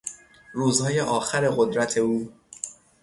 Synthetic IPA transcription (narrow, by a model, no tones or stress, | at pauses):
ɾuːzhɒːje̞ʔɒːxæɾe̞ɢo̞d̪ɾæt̪ʰe̞uː